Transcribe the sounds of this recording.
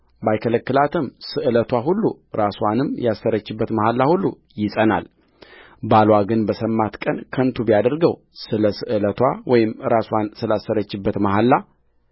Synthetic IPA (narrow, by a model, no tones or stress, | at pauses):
bajkʰələkːɨlat̪ʰɨmsɨʔɨlət̪ʰwaɦulːu | ɾaswanɨmjasːəɾət͡ʃːɪbːət̪məhalːahulːu | jɪsʼəna̰l | balwaɡɨnbəsəmːat̪kʼənkʰənt̪ʰubijad̪əɾɡəw | sɨləsɨʔɨlət̪ʰwawɔjɪmɾaswansɨlasːəɾət͡ʃːɪbːət̪mahalːa